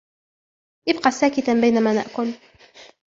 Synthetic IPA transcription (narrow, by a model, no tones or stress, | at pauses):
ʔɪbqɑsaːkɪt̪abajnamaːna̰ʔkʊl